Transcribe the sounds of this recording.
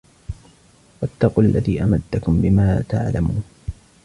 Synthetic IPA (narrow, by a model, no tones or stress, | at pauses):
wat̪ːɑqlːaðiːʔamad̪ːakʊmbɪmaːt̪a̰ʕlamuːn